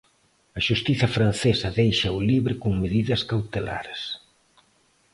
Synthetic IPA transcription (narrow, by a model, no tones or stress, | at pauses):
ɐʃust̪iθɐfɾan̟θesɐðejʃɐuliβɾɪkuŋmeðiðɐskawt̪ela̰ɾs